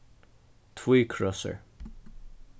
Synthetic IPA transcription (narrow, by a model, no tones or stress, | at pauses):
t̪ʰwiːkʰɹɔsə̰ɹ